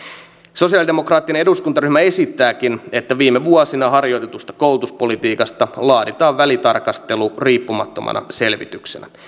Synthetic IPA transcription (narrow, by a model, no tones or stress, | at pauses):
so̞siɑlidemokrɑːt̪ːineneduskunt̪ɑryhmæe̞sit̪ːæːkine̞t̪ːæʋiːmeʋuɔsinɑɦɑrjo̞jt̪et̪ust̪ɑ̥kowlut̪uspo̞lit̪iːkɑst̪ɑlɑːdit̪ɑːʋʋælit̪ɑrkɑst̪e̞luriːpːumɑt̪ːo̞mɑ̰nɑ̰se̞lʋit̪yksenæ̰